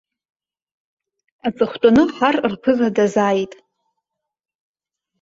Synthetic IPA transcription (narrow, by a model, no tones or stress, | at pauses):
at͡sʼɨχʷtʼanɨħarrpʰɨzadazaːjtʼ